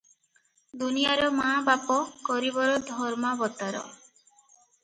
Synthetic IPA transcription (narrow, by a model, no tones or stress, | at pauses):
d̪unijaɾɔmabapɔkɔɾibɔɾɔd̪ʱɔɾmabɔt̪aɾɔ̰